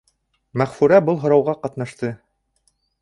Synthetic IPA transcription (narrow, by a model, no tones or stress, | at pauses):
mæχfʉɾæbɤlˠɦŏɾɑwʁɑqɑt̪nɑʃt̪ɤ